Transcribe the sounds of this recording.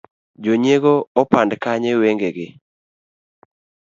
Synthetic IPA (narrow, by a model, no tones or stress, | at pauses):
d͡ʒoɲeɡoɔpandkaɲeweŋɡeɡɪ